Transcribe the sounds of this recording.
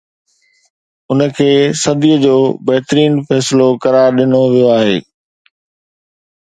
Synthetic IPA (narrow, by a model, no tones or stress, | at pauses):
ʊnə̆kʰeːsɐd̪ijəd͡ʑoːbɐɦt̪ɾiːnfɛːsɪlokɐɾaːɾɗɪnoʋijoaːɦeː